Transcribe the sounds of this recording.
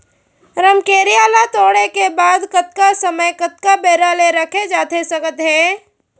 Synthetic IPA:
ɾəmkeːɾijaːlat̪oːɽekebaːd̪kət̪̚kasəməjkət̪̚kabeːɾaleɾɐkʰed͡ʒaːt̪esɐkət̪ɦɛː

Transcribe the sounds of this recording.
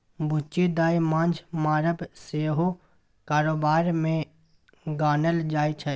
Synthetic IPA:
bʱʊt͡ʃid̪aːimãːnd͡ʒmaːɾəbseːɦo | kaːɾoːbaːɾmẽ | ɡaːnəld͡ʒaːit͡ʃʰɛ

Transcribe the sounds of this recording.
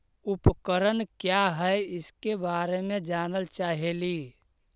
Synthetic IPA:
upkəɾənkjaɦɛjɪskebaːɾemẽd͡ʒaːnəlt͡ʃaːɦeli

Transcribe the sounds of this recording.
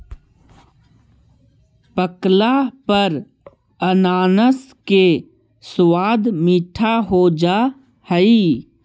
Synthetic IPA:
pəklapəɾ | ənaːnəs | ke | swaːd̪miːʈʰaɦod͡ʒaː | həi

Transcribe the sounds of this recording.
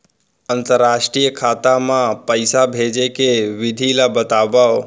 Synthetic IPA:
ənt̪əɾːaʃʈɾijəkʰaːt̪amãpəjsabʱed͡ʒekeʋɪd̪ʱilabət̪aʋa

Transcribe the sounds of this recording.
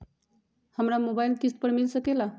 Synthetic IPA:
həmɾamobailk̪ispəɾmilsəkela

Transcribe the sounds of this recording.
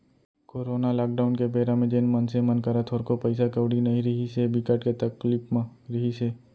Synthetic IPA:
koːɾoːnalaːk̚ɖaʊnkebeːɾamẽd͡ʒeːnmɐnsemɐnkɐɾat̪ʰoːɾkopɐɪsakɐʋɽinɐɦĩɾɐɦisebɪkəʈket̪ɐklipmɾɐɦise

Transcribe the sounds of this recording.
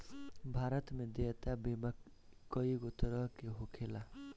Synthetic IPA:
bʱaɾʌt̪mid̪jiet̪abima | kːʌjɡot̪ʌɾʌkeɦokʰela

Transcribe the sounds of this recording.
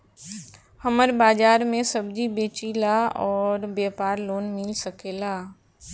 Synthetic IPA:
həməɾbaːd͡ʒaːɾmẽsəbd͡ʒibeːt͡ʃilaɔːɾbjaːpaːɾloːnmɪlsəkeːlaː

